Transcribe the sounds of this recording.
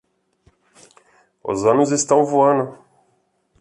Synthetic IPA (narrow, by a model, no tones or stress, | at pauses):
ʊ̰zɐ̃nʊzest̪ɐ̃w̃voɐ̃nʊ